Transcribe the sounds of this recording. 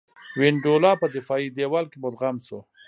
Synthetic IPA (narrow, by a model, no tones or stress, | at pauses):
wɪɳɖolɑpəd̪ɪfɑid̪ewalkebʊd̪ɣamso